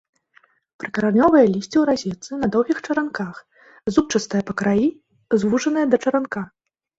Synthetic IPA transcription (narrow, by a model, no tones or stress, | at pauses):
pɾɨkɐɾanʲɔvɐjɐlʲisʲt͡sʲiwɾazʲɛt̪sɨnɐd̪ɔwɣʲixt͡ʂɐɾankax | zup̚t͡ʂɐst̪ɐjɐpɐkɾaji | zvuʐɐnɨjɐd̪ɐt͡ʂɐɾanka